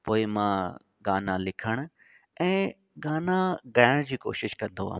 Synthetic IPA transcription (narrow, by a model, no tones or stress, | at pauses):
poːɪmãː | ɡaːnalɪkʰəɽ̃ʊ | ɛ̃ː | ɡaːnaɡajəɽ̃d͡ʑiːko̰ːʃɪʃkɐ̃nd̪oɦa̰ː